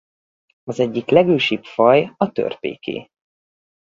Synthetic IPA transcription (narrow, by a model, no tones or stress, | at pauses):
ɒzɛɟːiklɛɡøːʃipfɒjɒt̪ø̰rpḛːkʰḛː